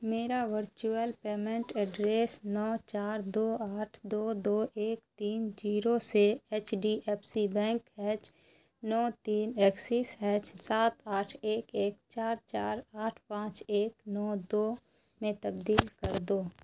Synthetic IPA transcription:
meːɾaʋəɾt͡ʃuəlpeːmẽɳʈɛɖɾeːsnɔːt͡ʃaːɾd̪oːaːʈʰd̪oːd̪oːʔeːkt̪iːnd͡ʒiːɾoseeːt͡ʃɖiʔɛːpʰsibɛ̃ːŋkɛːt͡ʃ | nɔːt̪iːneːksisɛːt͡ʃsaːt̪aːʈʰeːkeːkt͡ʃaːɾt͡ʃaːɾaːʈʰpãːt͡ʃeːknɔːd̪oː | mẽt̪ɐbd̪iːlkəɾd̪oː

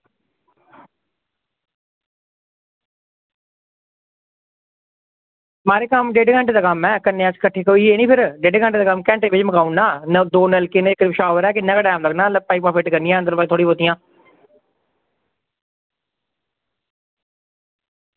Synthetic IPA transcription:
maːɾeːkəmd͡ʒeːɖeːkɛ̃ɳʈːd̪aːkəmɛ̃ːkənːẽːəskəʈʰːeːkoieːniːpʰɪɾd͡ʒeːɖeːkɛ̃ɳʈːd̪aːkəmkɛ̃ːɳʈeːʋɪt͡ʃməkaːunːaːnd̪oːnɛlkɪnekːpɪʃaːʋəɾɛːkɪnːãːkəɖaːmləɡnaːləpaːik̚paːpʰɪʈkəɾnijãːənd̪əɾbaːt̪ʰoːɽiːboːt̪ijãː

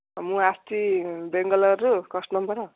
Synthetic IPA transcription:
mũast̪ibeŋɡʌlʌɾukʌsʈnʌmpʌɾʌ

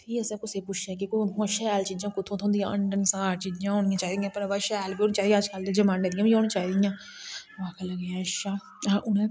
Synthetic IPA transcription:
t̪ʰiːəsãːkʊseːpʊt͡ʃʰɛːk̬ikõʃɛːlt͡ʃiːd͡ʒãːkʊt̪ʰõːt̪ʰõːnd̪ijãːʔəɳɖənsaːɾt͡ʃiːd͡ʒãːɦoːnɪãːt͡ʃaːid̪ijãːpəɾʋaʃɛːlbiːoːniːt͡ʃaːd̪ijãːd͡ʒkald̪eːd͡ʒəmãːnẽːd̪ɪjãːbiːoːnĩːt͡ʃaːid̪ɪjãː | ʋaːkʰələɡeãːʃaː | aʔʊnẽː

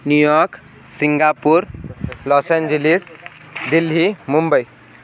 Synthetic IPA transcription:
njujɔk | siŋɡapuɾlɔsend͡ʒelis | d̪ilɦimumbəj

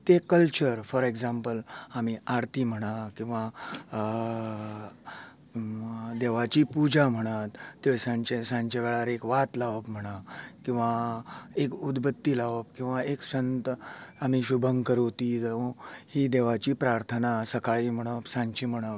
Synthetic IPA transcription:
t̪ekəlt͡ɕəɾfɔɾeɡd͡zãmpəlamiaɾt̪iːm̤əɽ̃akĩw̃ʋa | d̪eʋat͡ɕiːpud͡ʑʱam̤əɽ̃at̪ːesãɲt͡ɕẽsãɲt͡ɕaʋeɭaɾekʋat̪laʋpm̤əɽ̃akĩw̃ʋaekud̪bət̪ːiːlaʋəp̚kĩw̃ʋaeksənt̪amiːɕubʱəŋɡkəɾot̪iːd͡zhid̪eʋat͡ɕiːpɾaɾt̪ʰənasəkaɭiːm̤əɽ̃əpsãɲt͡ɕim̤əɽ̃a

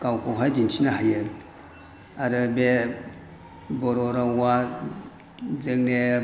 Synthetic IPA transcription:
kawkoɦad͡ʒint͡ʃinahajen | aɾəbe | boɾoɾawa | d͡zəŋne

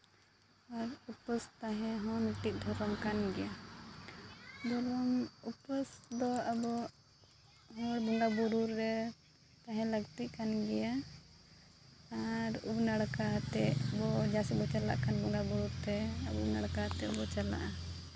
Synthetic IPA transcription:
aɾupəst̪aɦɛ̃ɦɔ̃miʈiʔ̚d̪ʱɔɾɔmkanɡɛja | b̪ɔlɔmupəsd̪ɔabɔ | ɦɔ̃ɽbuŋɡabuɾuɾːɛ | t̪aɦɛ̃ləɡt̪iʔkanɡɛja | ɾṵbnaɽkaɦat̪ɛʔbɔd͡ʒasibɔt͡ʃala̰ʔkanbuŋɡabuɾuɾt̪ɛabɔubnaɽkaɦat̪ɛʔbɔt͡ʃala̰ʔa

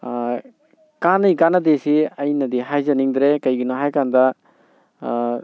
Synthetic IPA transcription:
kanɯjkanɐdesiɐjnɐdiɦajzɐniŋd̪ɾekɐjɡinɔɦajkandɐ

